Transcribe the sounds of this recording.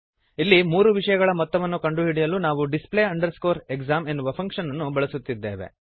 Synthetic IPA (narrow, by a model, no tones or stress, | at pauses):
ilːimuːɾuʋiʂɐjɐɡɐɭɐmɔt̪ːɐʋɐnːukɐɳɖuɦiɽijɐlunaːʋuɖispleːɐɳɖɐɾsko̞ːɾeɡzaːme̞nːuʋɐpʰɐŋkʂɐnːɐnːubɐɭɐsut̪ːid̪ːḛːʋḛ